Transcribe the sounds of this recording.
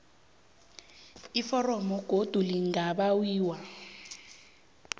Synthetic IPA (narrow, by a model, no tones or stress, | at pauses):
ifɔrɔmɔɡ̥ʱod̥ʱuliŋaɓawiːwa